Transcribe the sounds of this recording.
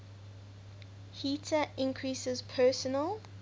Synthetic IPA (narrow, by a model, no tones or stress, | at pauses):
hiˑtʰəɪ̃ŋkʰɹiːsɪz̥pʰɜːˑsənəl